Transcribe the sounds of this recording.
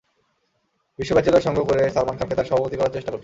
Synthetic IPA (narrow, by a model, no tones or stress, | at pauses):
biʃːobat͡ɕalaɾʃɔŋɡʱokoɾesaɾmankʰamket̪aɾʃɔbʱapot̪ikɔɾaɾt͡ɕeʃʈakoɾt͡ɕʰi